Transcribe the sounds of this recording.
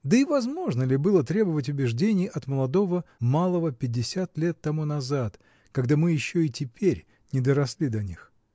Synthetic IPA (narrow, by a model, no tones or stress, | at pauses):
d̪əivɐzmo̞ʐnəlʲɪbɨlˠət̪ɾʲe̞bəvətʲʊbʲɪʐdʲenʲɪjʔɐt̪məlˠɐd̪o̞vəmalˠəvəpʲɪdʲːɪsʲat̪lʲe̞t̪ːɐmunɐzat̪ | kɐɡd̪amɨjɪɕːoitʲɪpʲeɾʲ | nʲɪd̪əɾɐsʲlʲid̪ɐnʲix